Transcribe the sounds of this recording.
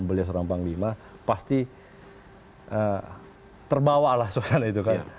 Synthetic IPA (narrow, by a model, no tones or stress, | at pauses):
nbəlias̬əɾaŋpaŋlimapast̪i | ʔə | t̪ərbawalahsosanait̪ukan